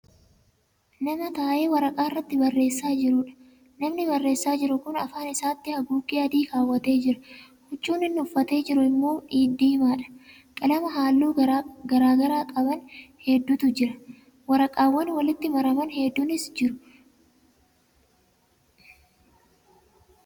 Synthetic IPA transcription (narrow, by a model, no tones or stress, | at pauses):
nɐmɐt̪aːʔe̞ːwɐɾɐkʼaːrːɐt̪ːɪbɐrːe̞ːsːaːd͡ʒɪɾʊᶑɐ̥ | nɐmnɪbɐrːe̞ːsːaːd͡ʒɪɾʊkʊnɐ̰faːnɪsaːt̪ːɪhɐɡuːkʼiːɐd̪iːkaːwːɐt̪e̞ːd͡ʒɪɾɐ | hʊt͡ʃʼːuːnɪnːʊfːɐt̪e̞ːd͡ʒɪɾʊɪmːo̞ːᶑiːd̪ːiːɪmaːᶑɐ̥ | kʼɐlɐmɐɦaːlːuːɡɐɾaːɡɐɾaːkʼɐbɐnhɛd̪ːʊt̪ʊd͡ʒɪɾɐ | wɐɾɐkʼaːwːɐnwɐlɪt̪ːɪmɐɾɐmɐnhɛd̪ːʊnɪsd͡ʒɪɾʊ̥